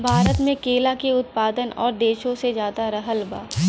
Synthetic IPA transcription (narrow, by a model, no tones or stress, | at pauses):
bʱaːɾət̪mẽkeːlakeʊt̪̚paːd̪ənɔ̰ːɾd̪eːʃõsed͡ʒjaːd̪aɾɐɦəlba̰ː